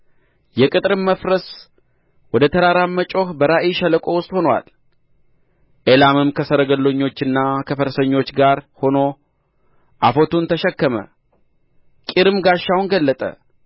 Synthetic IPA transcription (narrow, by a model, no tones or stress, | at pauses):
jɛkʼɨt̪ʼɾɨmməfɾəs | wɔd̪ət̪ʰəɾaɾamːət͡ʃʼo̞hbəɾaʔiʃələkʼo̞wʊst̪ʼho̞nowa̰l | ʔelamɨmkʰəsəɾəɡəlːoɲːo̞t͡ʃːɨnːakʰəfəɾsəɲːo̞t͡ʃːɡaɾho̞no̞ | ʔafo̞t̪unt̪ʰəʃɛkːəmə̰ | kʼiɾɨmɡaʃːawnɡəlːət̪ʼə̰